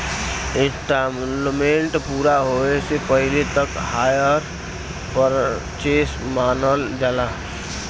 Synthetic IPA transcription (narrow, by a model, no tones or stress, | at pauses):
ɪsʈammẽɳʈpuːɾaɦoesepəɦɪlet̪əkhaːjəɾ | pəɾ | t͡ʃeːsmaːnəld͡ʒalaː